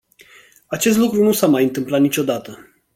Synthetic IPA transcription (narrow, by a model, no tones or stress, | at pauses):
at͡ʃe̞s̬t̪lukɾunusamajɨnt̪ɨmplat̪nit͡ʃʲo̞d̪at̪ə